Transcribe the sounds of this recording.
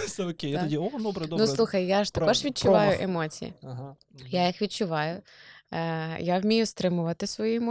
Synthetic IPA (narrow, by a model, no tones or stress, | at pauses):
sɛɔkʲejat̪ɐdʲiod̪ɔbɾd̪nuslˠuxɐjjaʃt̪ɐkɔʒʋʲid̪̚t͡ʃʊʋɑjʊʔemɔt͡sʲḭjḭɐɦ | jajixʋʲid̚t͡ʃʊʋɑjʊ | jawmʲijʊst̪ɾɪmʊʋɐt̪ɪsʋɔjiɛmɔ